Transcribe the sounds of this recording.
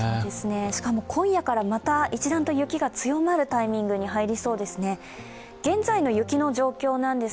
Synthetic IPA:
d̪esɨne̞ɕi̥kamo̞kʰõ̞ɰ̃jakaɾamat̪ait͡ɕid̪ãnt̪o̞jɯ̟kʲiɡat͡sɨjo̞maɾɯ̟t̪aimʲĩŋɡɯ̟ɲ̟iɦaiɾʲiso̞ːd̪e̞sɨne̞ | ɡ̥ẽ̞nd͡zaino̞jɯ̟kʲino̞ʑo̞ːkʲo̞ːnãnd̪e̞

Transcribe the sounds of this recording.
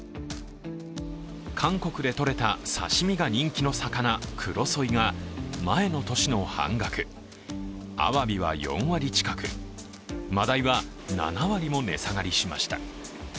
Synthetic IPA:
kʰãŋko̞kɯ̟d̪e̞t̪o̞ɾe̞t̪asa̰ɕimʲiɡaɲ̟ĩŋkʲino̞sakanakʰɯɾo̞so̞iɡamae̞no̞t̪o̞ɕino̞hã̰ŋɡakɯ̟ | a̰βabʲiβa̰jõ̞̰ɰ̃βaɾʲit͡ɕi̥kakɯ | mad̪aiβa | na̰naβaɾʲimo̞ne̞̰saɡaɾʲiɕima̰ɕi̥t̪a

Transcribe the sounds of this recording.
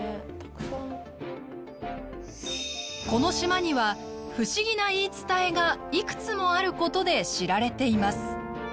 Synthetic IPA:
t̪ḁksã | ko̞no̞ɕimaɲ̟iβa | ɸɯ̟ɕiɡʲinaiːt͡sɨ̥t̪ae̞ɡaikɯ̟̥t͡sɨmo̞aɾɯ̟ko̞t̪o̞d̪e̞ɕiɾaɾe̞t̪e̞imasɨ̥

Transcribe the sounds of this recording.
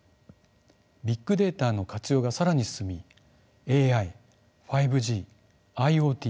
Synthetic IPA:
bʲikːɯ̟d̪e̞ːt̪aːno̞kat͡sɨjo̞ːɡasaɾaɲ̟isɨ̥sɨmʲi | eːai | ɸaibɯ̟ʑiː | aio̞ːt̪ʲiː

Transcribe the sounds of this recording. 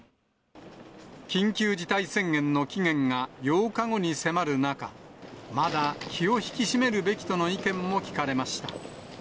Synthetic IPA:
kʲĩŋkʲɨːd͡ʑit̪aisẽ̞ŋɡẽ̞nːo̞kʲiŋẽ̞ŋɡajo̞ːkaɡo̞ɲ̟ise̞maɾɯ̟nakamad̪akʲʰio̞çi̥kʲiɕime̞ɾɯ̟be̞kʲi̥t̪o̞no̞ikẽ̞mːo̞kʲi̥kaɾe̞maɕi̥t̪a

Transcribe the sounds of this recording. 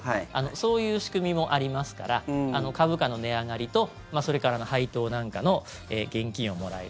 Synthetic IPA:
aano̞so̞ːjɯ̟ːɕi̥kɯ̟mʲimo̞ʔaɾʲimasɨ̥ka̰ɾaano̞kaβɯ̟kano̞ne̞aŋaɾʲit̪o̞ | maso̞ɾe̞kaɾano̞hait̪o̞ːnãŋkano̞ | ḛːɡ̥ẽ̞ŋkʲĩɰ̃o̞mo̞ɾa̰ḛ

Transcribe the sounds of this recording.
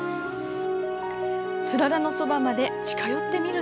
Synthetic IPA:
sɨɾaɾano̞so̞bamad̪e̞t͡ɕi̥kajo̞t̪ːe̞mʲiɾɯ̟

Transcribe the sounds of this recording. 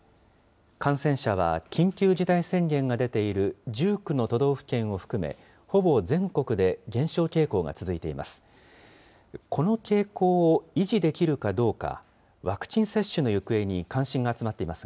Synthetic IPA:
kʰãɰ̃sẽ̞ɰ̃ɕaβ̞a̰kʲʰĩŋkʲɨːʑit̪aisẽ̞ŋɡẽ̞ŋɡad̪e̞t̪e̞iɾɯ̟d͡ʑɨːkɯ̟no̞t̪o̞d̪o̞ːɸɯ̟̥kẽ̞ɰ̃o̞ɸɯ̟̥kɯ̟me̞̰ | ho̞bo̞zẽ̞ŋko̞kɯ̟d̪e̞ɡẽ̞ɰ̃ɕo̞ːke̞ːko̞ːɡa̰t͡sɨzɨit̪e̞imʔa̰sɨ̥ | kʰo̞no̞ke̞ːko̞ːoiʑid̪e̞kʲiɾɯ̟kad̪o̞ːka̰ | βakɯ̟̥t͡ɕĩɰ̃se̞ɕːɨno̞jɯ̟kɯ̟e̞ɲ̟ikãɰ̃ɕĩŋɡaːt͡sɨmat̪ːe̞imasɨ

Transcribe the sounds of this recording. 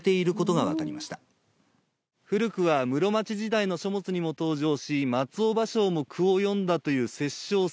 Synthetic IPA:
t̪e̞iɾɯ̟ko̞t̪o̞ɡaβa̰kaɾʲimaɕi̥t̪a | ɸɯ̟ɾɯ̟kɯ̟βamɯ̟ɾo̞mat͡ɕiʑid̪aino̞ɕo̞mo̞t͡sɨɲ̟imo̞t̪o̞ːʑo̞ːɕimat͡sɨo̞baɕo̞ːmo̞kʰɯ̟o̞jõ̞nd̪at̪o̞jɯ̟ːse̞ɕːo̞ː

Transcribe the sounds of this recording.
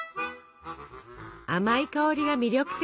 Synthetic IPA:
amaikaoɾʲiɡamʲiɾʲo̞kɯ̟̥t̪

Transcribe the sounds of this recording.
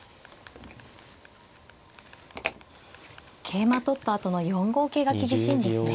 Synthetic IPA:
kʰe̞ːmat̪o̞t̪ːaːt̪o̞no̞jõ̞ŋɡo̞ːke̞ːɡakʲibʲiɕĩːnd̪esɨ

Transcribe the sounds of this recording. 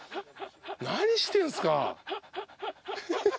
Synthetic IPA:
naɲ̟iɕi̥t̪ẽɰ̃sɨ̥ka̰

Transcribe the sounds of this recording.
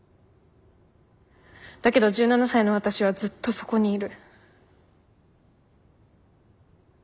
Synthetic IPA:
d̪̥ake̞d̪o̞ʑɨːnanasaino̞βat̪aɕiβ̞azɨt̪ːo̞so̞̥ko̞ɲ̟iːɾɯ̟

